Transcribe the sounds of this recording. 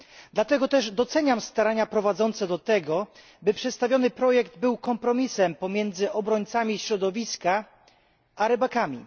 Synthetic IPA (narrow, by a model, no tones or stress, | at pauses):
d̪lat̪ɛɡɔt̪ɛʐd̪ɔt̪sɛɲamst̪aɾaɲapɾɔvad̪zɔnt̪sɛd̪ɔt̪ɛɡɔ | bɘpʂɛt̪st̪avʲjɔnɘpɾɔjɛɡd̪bɘwkɔmpɾɔmʲisɛmpɔmʲjɛnd̪zɘʔɔbɾɔɲt̪samʲiɕɾɔd̪ɔvʲiska | ʔaɾɛbakamʲḭ